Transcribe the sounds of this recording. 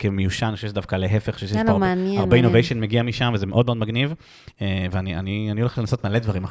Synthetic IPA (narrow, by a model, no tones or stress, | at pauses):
kemejuʃaniχoʃeʃedav̥kaleɦefeχo̥ʃeʃemeanjɛaʁeinovejʃonmeɡiamiʃamvezemeʔo̞dmeo̞d̪maɡniv | eveanianianioleχlenaso̞t̪male̞d̪vaʁima